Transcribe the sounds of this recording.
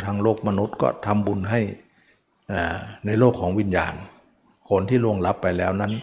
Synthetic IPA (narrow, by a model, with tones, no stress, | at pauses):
t̪ʰaː˧ŋloː˥˩k̚ma˧nu˦˥t̪̚kɔ̰ː˧˩t̪ʰa˧mbu˧nɦa˥˩j | ʔaː˧˩na˧jloː˥˩kʰːɔː˩˦ŋwi˧˥˩nja̰ː˨˩n | kʰo˧nt̪ʰiː˥˩˨lu˧˩əŋla˦˥pːa˧jlɛː˦˥˩wna˦˥n